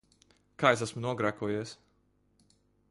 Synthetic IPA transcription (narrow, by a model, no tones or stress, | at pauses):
kaːjes̬asmunuɔɡɾakuɔjiɛs